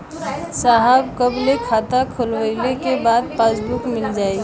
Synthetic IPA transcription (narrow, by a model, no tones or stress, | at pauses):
saɦəbkəblekʰat̪akʰolwəɪlekebaːd̪̚pasbukmɪld͡ʒaːi